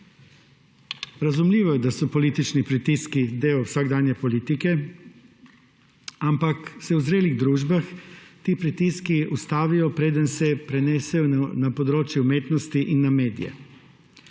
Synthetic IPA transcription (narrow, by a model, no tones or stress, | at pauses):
ɾazumlʲiːʋɔjɛd̪asɔpolit̪it͡ʃnipɾit̪iskid̪eːɔwsaːɡd̪aːnjɛpoliːt̪ikɛ | ampaksɛwuzɾeːliɣd̪ɾuːʒbaxt̪iːpɾit̪iskiust̪aːʋijɔpɾeːd̪ənsɛpɾɛnɛsɛjɔnapod̪ɾoːt͡ʃjɛumeːt̪nɔst̪iʔinːameːd̪ḭjɛ̰